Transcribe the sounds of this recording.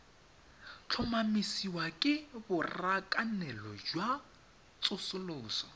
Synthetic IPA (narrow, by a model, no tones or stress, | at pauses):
t͡ɬʰʊmamisiwakʼɪbʊrakʼanɛlɔd͡ʒwa | t͡sʼʊsʊlʊːsɔ